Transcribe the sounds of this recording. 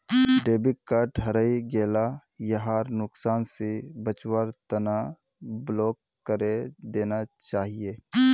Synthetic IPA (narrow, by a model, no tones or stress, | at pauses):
ɖeːbikkːaʈʰɐɾəiɡeːlajəɦaːɾnʊksaːnsebət͡ʃwaɾt̪əna | bloːkːəɾed̪eːnat͡ʃaːɦieː